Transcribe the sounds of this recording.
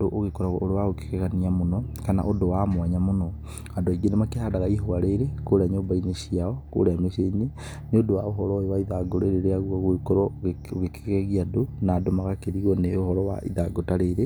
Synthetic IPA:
doʔoɣekoɾaɣɔ̰oɾewaɣoke̥kɛɣaniamonɔkana̰ʔondowamwaɲamonɔ | adoaiɡenemakehadaɣaiɦoaɾeɾekoɾaɲoːmbaineʃiaɔko̰ɾameʃeiɲe | neodowaoɦɔɾɔjewaiðaɡoɾeɾeɾeaɣaɣoikoɾɔoɣeke̥kɛɣiadonadomaɣakeðiɣɔneohɔɾɔwa̰ʔḭðaɡotaɾeɾe

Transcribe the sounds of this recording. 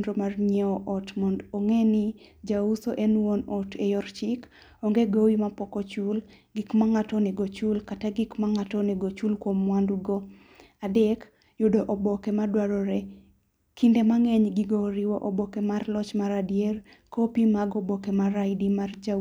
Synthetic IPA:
ndɾomarɲɛɔʔɔtmɔndoŋɛni | d͡ʒausoʔenwonɔtejɔrt͡ʃɪk | ɔŋɡeɡowimapɔkɔt͡ʃul | ɡikmaŋatɔnɛɡot͡ʃulkataɡikmaŋatɔnɛɡot͡ʃulkwomwanduɡo | adɛk | jʊdoʔɔbɔkɛmadwaɾɔɾɛ | kindemaŋɛɲɡiɡɔɾɪwɔʔobɔkɛmarlɔt͡ʃmaɾadjer | kʰopimaɡɔbɔkemaɾaɪdimard͡ʒa

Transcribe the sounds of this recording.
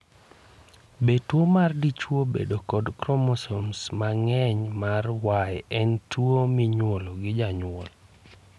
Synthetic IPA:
betwomardit͡ʃwobḛdokɔdkɾomosomsmaŋɛɲmarwaɛɛntwomiɲwoloɡɪd͡ʒaɲʊwɔl

